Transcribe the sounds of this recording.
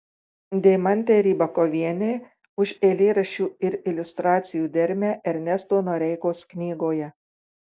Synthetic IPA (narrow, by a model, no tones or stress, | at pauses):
d̪ʲɛɪmɐnʲt̪ʲeɾʲiːbɐkɔʋʲiɛnʲeː | ʊʃeːlʲeːɾɐʃʲuːɪɾɪlʲʊst̪ɾɑːt̪sʲɪjuːd̪ʲɛɾʲmʲæːɛɾʲnʲɛst̪oːnoːɾʲɛɪkoːsknʲiːɡoːjɛ